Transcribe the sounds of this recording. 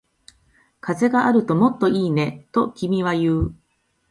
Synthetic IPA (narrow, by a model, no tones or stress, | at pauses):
kaze̞ɡaʔaɾɯ̟t̪o̞mo̞t̪ːo̞iːne̞t̪o̞kʲimʲiβ̞ajɯː